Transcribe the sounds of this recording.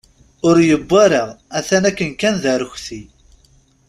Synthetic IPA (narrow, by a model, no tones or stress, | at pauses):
ʊɾjəbːaɾaʁæθænækːənkænðaɾəçθi